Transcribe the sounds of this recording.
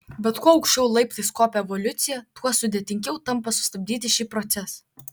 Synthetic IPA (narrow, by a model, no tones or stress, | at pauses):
bʲɛt̪kuɔɐʊkʃʲt͡ʃʲɛʊlˠɐɪpt̪ɐskoːpʲɛɛʋɔlʲʊt̪sʲɪjɛt̪uɔsʊd̪ʲeːt̪ʲɪŋʲɡʲɛʊt̪ɐmpɐsʊ̥st̪ɐbʲd̪ʲiːt̪ʲɪʃʲiːpɾɔt̪sʲɛs